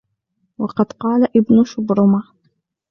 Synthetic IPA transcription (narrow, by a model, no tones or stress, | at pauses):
wɑqɑd̪qɑːlaʔɪbnʊʃʊbɾʊma